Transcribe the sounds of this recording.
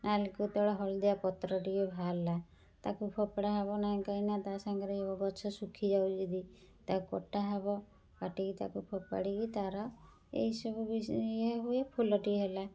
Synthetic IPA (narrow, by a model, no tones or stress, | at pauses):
nalkut̪ɔɽɔɦɔɭd̪eapɔt̪ɾɔʈiɡibʱalːa | t̪akupʰɔpaɽaɦaβɔnãkainat̪asaŋɡɔɾeebɔɡɔt͡ʃʰɔsukʰid͡ʒawd͡ʒid̪i | t̪akɔʈaɦabɔ | kaʈikit̪a̰kupʰopa̰ɽikit̪aɾɔ | ḛɦisɔbubiɦuepʰulɔʈiɦela